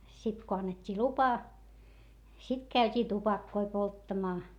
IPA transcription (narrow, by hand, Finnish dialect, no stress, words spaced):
sit ko ɑnːetʲːiː lupɑ sit kæytʲiː tupɑkːoi poltːɑmɑː